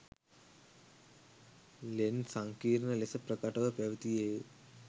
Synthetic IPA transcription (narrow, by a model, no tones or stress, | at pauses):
lensɐŋkiːɾnɐlesɐpɾɐkɐʈɐʋɐpjɐʋt̪ije